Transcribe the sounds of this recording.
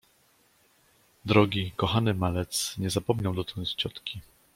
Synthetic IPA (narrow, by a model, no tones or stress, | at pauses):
d̪ɾɔɡʲikɔxanɘmalɛt̪sɲɛzapɔmɲawd̪ɔt̪ɔ̃nst͡ɕɔt̪kʲi